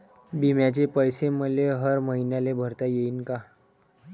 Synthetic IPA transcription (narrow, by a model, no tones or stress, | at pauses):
bimjat͡ɕepəjseməleɦəɾməɦinjalebʱəɾt̪ajeiːnka